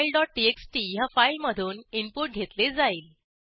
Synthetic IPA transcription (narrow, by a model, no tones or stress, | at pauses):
ilɖɔʈ̚ʈieksʈiːjafailməd̪ʱuːnimpuʈ̚ɡʱet̪led͡zaiːl